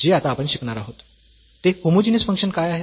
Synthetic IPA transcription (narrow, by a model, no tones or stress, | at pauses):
d͡ʑeat̪aːpəɳɕikɳaɾaɦot̪ː | ekomud͡ʑinesfəŋkʂənkajaɦe